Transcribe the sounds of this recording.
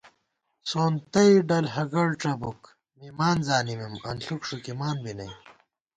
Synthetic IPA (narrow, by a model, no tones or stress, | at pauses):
soːnt̪ɐiɖɐlɦɐɡɐɽʈ͡ʂɐbuk | mimaːnzaːnimimɐ̰nɬukʂukimaːnbinɐ̰j